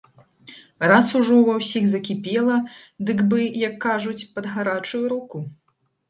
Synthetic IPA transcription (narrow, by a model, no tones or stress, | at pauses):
rasuʐɔvɐwsʲiɣzɐkʲipʲɛlˠɐd̪ɨɡbɨjɐkːaʐut͡sʲpɐd̪ɣaɾat͡ʂujuɾuku